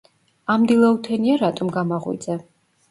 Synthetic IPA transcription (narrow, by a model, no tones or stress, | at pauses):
amd̪ilˠaut̪ʰɛniaɾat̪ʼɔmɡamaʁwḭd̪zɛ